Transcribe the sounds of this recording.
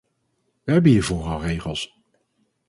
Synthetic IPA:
ʋəɦɛbənɦiːɹvʊːɹɑrejχəlˠs

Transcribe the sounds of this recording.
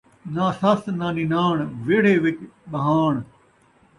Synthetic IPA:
naːsɐsnaːniːnaːɳʋeːɽ̤eːʋɪt͡ʃɓɐɦaːɳ

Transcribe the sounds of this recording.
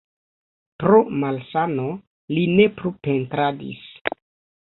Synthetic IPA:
pɾomalsano | line̞plupe̞ntɾadḭs

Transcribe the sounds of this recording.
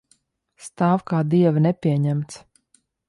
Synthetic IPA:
st̪aːwkaːd̪iɛvnɛpʲiɛɲæmt̪s

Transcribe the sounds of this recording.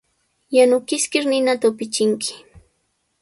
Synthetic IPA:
janʊkɪskɪɾnɪnat̪aʊpɪt͡ʃɪŋkɪ̥

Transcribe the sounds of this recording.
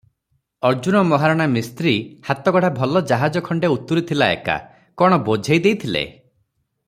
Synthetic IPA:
ɔɾd͡ʒunɔmɔɦaɾɔɽ̃amist̪ɾihat̪ɔɡɔɽabʱɔlɔd͡ʒaɦad͡ʒɔkʰɔɳɖeut̪ːuɾit̪ʰilaḛka̰ | kɔɽ̃ɔbod͡ʒʱejd̪ejt̪ʰilḛ

